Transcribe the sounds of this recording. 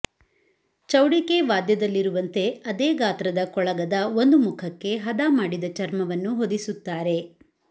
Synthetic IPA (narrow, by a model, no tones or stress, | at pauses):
t͡ʃɐwɽike̞ʋaːd̪jɐd̪ɐlːiɾuʋɐnt̪e̞ɐd̪eːɡaːt̪ɾɐd̪ɐkɔɭɐɡɐd̪ɐo̞nd̪umukʰɐkːe̞ɦɐd̪aːmaːɽid̪ɐt͡ʃɐɾmɐʋɐnːuɦod̪isut̪ːaːɾe̞